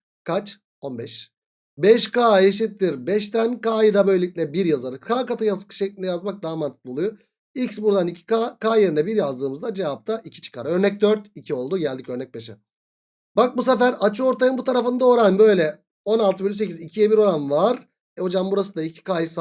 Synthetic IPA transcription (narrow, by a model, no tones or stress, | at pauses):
kʰat͡ʃ | o̞nbɛʃ | bɛʃkaːjeʃ̬it̪ʰːiɾbɛʃt̪ænkaːjɯd̪abø̞jlʲeic̚ʲlʲɛbiɾjazaɾɯkʰaːkat̪ʰɯjasɯ̥kʰɯ̥ʃeclʲind̪ɛjazmak̚d̪amant̪ʰɯ̥k̚lˠolˠujo | icsbuɾd̪anicʰi̥kakʰaːjeɾinɛbiɾjazd̪ɯːmɯzd̪ad͡ʒe̞vap̚t̪ʰaʔicʰi̥t͡ʃʰɯ̥kʰaɾø̞ɾnɛc̚d̪øɾt̪icʰio̞lˠd̪uɟælʲd̪icø̞ɾnɛc̚beʃɛ | bak̚bus̬efæɾat͡ʃʰɯo̞ɾt̪ʰajɯmbut̪ʰaɾafɯnd̪aoɾanbø̞jlʲɛ | o̞nalˠt̪ʰɯbelʲys̬ecizicʰijɛbiɾo̞ɾanvaɾ | ɛho̞d͡ʒambuɾasɯnd̪aicʰi̥kaːjis